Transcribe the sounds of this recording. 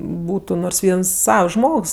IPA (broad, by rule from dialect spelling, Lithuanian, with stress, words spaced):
ˈbuːtʊ noːrs ˈʋʲiɛns ˈsɐws ˈʒmoːks